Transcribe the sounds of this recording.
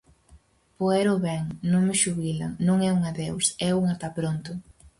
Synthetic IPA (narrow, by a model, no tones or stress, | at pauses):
poɛɾʊβɛŋnõŋmɪʃuβilɐ̰nõŋɛuŋɐðewsɛuŋat̪apɾont̪ʊ